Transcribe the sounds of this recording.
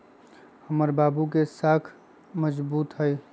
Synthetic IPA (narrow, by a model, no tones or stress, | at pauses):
həməɾbaːbukesaːkʰ | məd͡ʒbuːt̪ɦəj